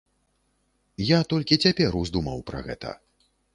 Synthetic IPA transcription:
jat̪ɔlʲkʲit͡sʲapʲɛɾuzd̪umɐ̰wpɾɐ̰ɣɛ̰t̪ɐ̰

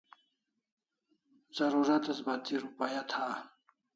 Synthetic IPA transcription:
z̥ɐɾuɾat̪asbat̪iɾupajat̪ʰa

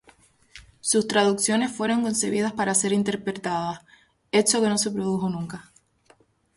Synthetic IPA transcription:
sust̪ɾaðuksjo̞ne̞sfwe̞ɾo̞ŋko̞nse̞β̞iðaspaɾase̞ɾint̪e̞ɾpɾe̞t̪aðas | e̞t͡ʃo̞ke̞no̞se̞pɾo̞ðuxo̞nũŋka

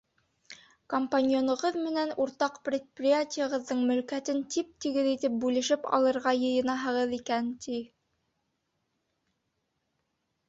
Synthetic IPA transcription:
kompanʲjonŏʁɤðmɘ̆nænuɾt̪ɑqprʲɪt̪̚prʲɪjatʲɪjəʁɤ̆ðːɤɴmɵ̆lkæt̪ɘnt̪ip̚t̪iɡɘðit̪ɘp̚bʉlɘ̆ʃɘpɑ̰lˠɤ̆ɾʁɑjɤ̆jɤ̆nɑɦɤ̆ʁɤðikænt̪i

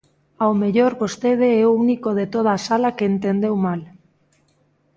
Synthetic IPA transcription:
aomeʎoɾβost̪eð̞eɛounikoð̞et̪oð̞aːsalakeːnt̪end̪ewmal

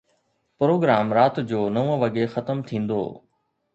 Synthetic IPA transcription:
pɾoːɡɾaːmɾaːt̪d͡ʑoːnɐʋõʋɐɡexɐt̪əmt̪ʰĩːn̆d̪o̰ː

